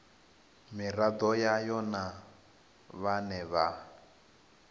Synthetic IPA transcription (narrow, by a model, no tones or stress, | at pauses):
mirad̪ɔjajɔna | βanɛβa